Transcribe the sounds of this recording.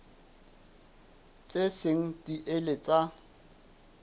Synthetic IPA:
t͡sʼesɪŋ̩diʔelet͡sʼa

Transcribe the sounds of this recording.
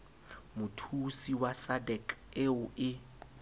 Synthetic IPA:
mʊtʰusiwasadɛkʼɪʊʔɪ

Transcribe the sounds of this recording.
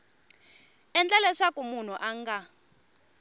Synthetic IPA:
ɛnd͡ɮɛlɛʂakumun̤uʔaŋɡa

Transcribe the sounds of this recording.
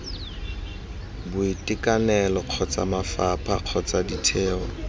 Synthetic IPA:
bʊitʼɪkʼanɛlɔq͡χʰɔt͡sʼa̰mafapʰaq͡χʰɔt͡sʼaditʰɛːɔ

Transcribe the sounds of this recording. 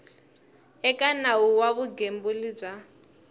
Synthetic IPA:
ɛkʼanauwaβuɡembulib͡ʐa

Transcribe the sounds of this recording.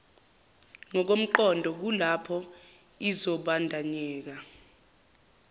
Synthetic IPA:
ŋɔk̬om̩ǃɔndʱɔk̬ulapʰɔ | izɔɓandʱaɲɛːk̬a

